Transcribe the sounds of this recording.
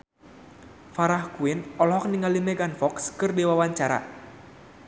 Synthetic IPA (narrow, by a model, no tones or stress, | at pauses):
faɾahkuɪnɔlɔɦɔk̚niŋalimɛɡanfɔkskɨrdiwawaɲt͡ʃaɾa̰